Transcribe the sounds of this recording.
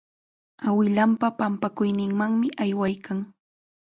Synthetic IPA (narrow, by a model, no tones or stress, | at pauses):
awɪlampapampakʊjnɪŋmaŋmɪʔajwajkaŋ